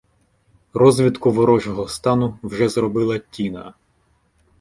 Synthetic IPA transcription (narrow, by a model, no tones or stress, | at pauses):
rɔzʋʲit̪kʊʋɔɾɔʒɔɦɔst̪ɑnʊwʒɛzɾɔbɪlˠɐtʲinɐ̰